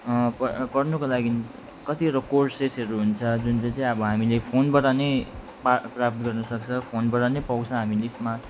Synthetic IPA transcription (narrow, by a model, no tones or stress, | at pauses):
pkʌrnukolaɡin | kʌt̪iɾʌkorsesɦʌɾuɦunt͡sʰʌd͡zunt͡sʌĩt͡sʌĩʌbʌɦamilepʰonbʌɾane | paprap̚t̪ɡʌrnʌsʌk̚t͡sʰʌpʰonbʌɾanepawt͡sʰʌ̃ɦamilesmat̪